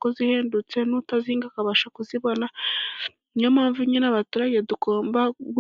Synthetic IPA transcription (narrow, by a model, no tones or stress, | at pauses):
kozihe̞ːndut͡se̞nutaziːŋɡakaβaʃakuziβo̞na | ɲomaːɱvuɲinaβatuɾajedukoːmbaɡ